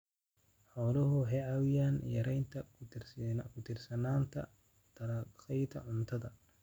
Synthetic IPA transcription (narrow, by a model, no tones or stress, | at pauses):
ħɔːlɐɦʊɦɛjʕɑwɪjaːnjɐɾɛjnt̪ʰɐ | kʰʊt̪ʰɪrsɐnaːnt̪ʰɐ̰ | d̪̥ɐɾɐsɛjt̪ʰɐ̰ʕʊnt̪ʰɐðɐ